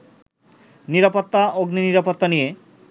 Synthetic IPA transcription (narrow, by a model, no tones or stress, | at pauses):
niɾapot̪ːaoɡniniɾapot̪ːanije